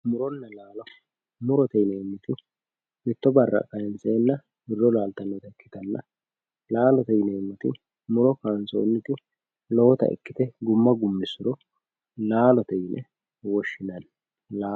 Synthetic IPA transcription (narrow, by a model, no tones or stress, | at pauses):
mʊɾɔnːɐlaːlɔ | mʊɾɔt̪ɛjneːmːɔt̪ɪ | mɪt̪ːɔbɐrːɐ̰kʼɐjɛnseːnːɐ | bɪrɔlaːlt̪ɐnːɔt̪ɐkːɪ̥t̪ɐnːɐ̰ | laːlɔt̪ɛjneːmːɔt̪ɪ̰ | mʊɾɔkaːnso̰ːnːɪt̪ɪ | lɔwɔt̪ɐ̰ʔɪ̰kːɪt̪ɛɡʊmːɐɡʊmːɪsʊɾɔ | laːlɔt̪ɛjlʔɛ | wɔʃːɪnɐn | laː